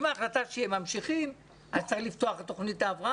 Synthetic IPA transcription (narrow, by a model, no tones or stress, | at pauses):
maːχlat̪aʃehemamʃiχim | ʔaztt͡seeχlift̪oaχet̪oχnit̪aːvʁa